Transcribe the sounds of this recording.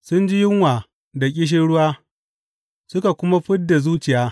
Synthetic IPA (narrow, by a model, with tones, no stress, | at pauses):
sʊ˦nd͡ʒi˦jɪ˦ŋwaː˨ | da˨kʲʼɪ˦ʃ̬ɪ˦ɽʊ˦waː˦ | sʊ˦ka˨kʷʊ˦ma˦ɸɪ˦ddːa˨zuː˦t͡ʃɪ˨jaː˦